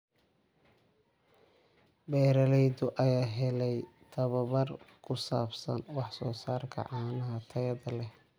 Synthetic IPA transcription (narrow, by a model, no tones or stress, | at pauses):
bɛːɾɐlɛjdʊʔɐjaːɦɛlɛj | t̪ʰɐβɐβɐrkʰʊsa̰ːbsɐ̰nwɑħsɔːsaːrkʰɐ̰ʕɑːnɐɦɐt̪ʰɐjɐðɐlɛh